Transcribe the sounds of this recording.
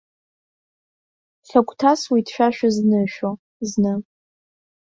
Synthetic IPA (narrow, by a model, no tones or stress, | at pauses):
ɬakʷʼtʰaswidʃʷᶣaʃᶣaznɨʃᶣo | znɨ